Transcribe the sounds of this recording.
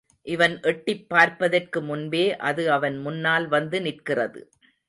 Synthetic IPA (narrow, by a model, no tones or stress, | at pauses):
ʔɪʋɐnʔɛʈːɪpːaːɾpɐðɐrkɯmʊnbeːʔɐðɯɐʋɐnmʊnːaːlʋɐnd̪ɯnɪrkɪrɐ̰ðɯ̰